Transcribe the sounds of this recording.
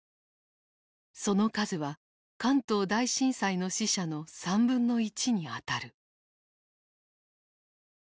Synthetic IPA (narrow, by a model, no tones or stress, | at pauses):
so̞no̞kazɨβa | kãnt̪o̞ːd̪aiɕĩɰ̃saino̞ɕiɕano̞sãmbɯ̟̃nːo̞it͡ɕiɲ̟iat̪aɾɯ̟